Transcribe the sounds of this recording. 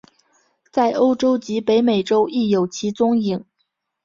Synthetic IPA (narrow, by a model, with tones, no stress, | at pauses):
t͡sa˥˩ɪʔo˥ʊʈ͡ʂo˥ʊt͡ɕi˧˥pe˧˥ɪme˨˩ɪʈ͡ʂo˥ʊi˥˩jo˨˩ʊt͡ɕʰi˧˥t͡sʊ˥ŋi˨˩˦ŋ